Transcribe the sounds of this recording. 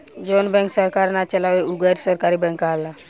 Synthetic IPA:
d͡ʒonbɛ̃ŋksəɾkaɾnat͡ʃəlaweuɡəɾsəɾkaɾibɛ̃ŋkaɦla

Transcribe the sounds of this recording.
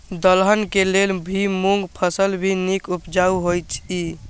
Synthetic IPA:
d̪əlɦənkelelbʱimuŋɡpʰəsəlbʱinikupd͡ʒauɦojt͡ʃʰi

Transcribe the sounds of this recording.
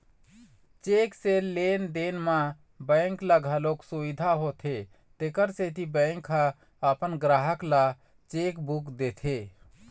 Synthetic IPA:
t͡ʃekselend̪enmã | bə̃ɪŋklaɡʱəloksubid̪ʱaɦot̪ʰe | t̪ekəɾset̪ibə̃ŋkʰa | əpənɡɾaɦəkla | t͡ʃekbukd̪et̪ʰe

